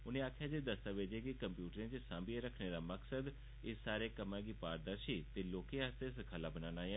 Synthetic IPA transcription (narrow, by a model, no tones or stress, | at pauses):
ʊnẽːaːkʰjaːd͡ʒeːd̪əst̪aʋeːd͡ʒeːkikəmpjuːʈəɾẽt͡ʃsãːmbieɾəkʰneːɾaːməksəd̪ | ɪːaːɾeːkəmãːɡiːpaːɾd̪əɾʃiːt̪eːloːkẽːaːst̪eːskʰaːlaːbənaːnaːi